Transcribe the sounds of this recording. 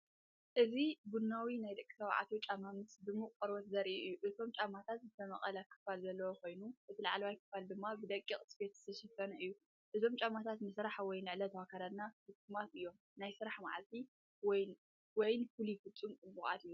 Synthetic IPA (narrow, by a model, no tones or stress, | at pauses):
ʔɨzibunːawinajd̪ɐkʼːi̥sawʕa̰t̪ʰot͡ʃʼamamɨsd̪ɨmːuqʼkʼɨɾwɐt̪zɐɾiʔʔɨjːuʔɨt̪ʰo̞mt͡ʃʼamat̪ʰat̪zɨt̪ʰɐmɐχʼɐlɐkʰːɨ̥falzɐlːɐwokʰo̞jnuʔɨt̪ʰilaʕalwajkʰːɨ̥fald̪ɨmːabɨd̪ɐkʼːiχʼsbet̪zɨ̥t̪ʰɐʃɐfɐnɐʔɨjːu | ʔɨzo̞mt͡ʃʼamat̪ʰat̪nɨsɾaħwɔjnɨʕlɐt̪ʰɐwakʰaɾad̪nahɨkʼːɨmat̪ʔɨjːo̞m | najsɨɾaħma̰ʕa̰lt̪ʰi | wj | wɔjnfulifɨt͡sʼːumkʼɨbuxa̰d̪ɨjːu